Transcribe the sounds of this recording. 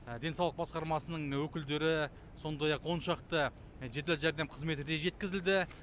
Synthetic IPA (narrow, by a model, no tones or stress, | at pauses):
d̪e̞nsɑwlˠəq̚bɑsqɑɾmɑsənəɴwɵkʲɪld̪e̞ɾɪ | so̞nd̪ɑjɑqwo̞nʃɑqt̪ə | ʒet̪elʒæɾd̪e̞mqʰəzme̞t̪ɪd̪eʒe̞t̪kʲɪzɪld̪ɪ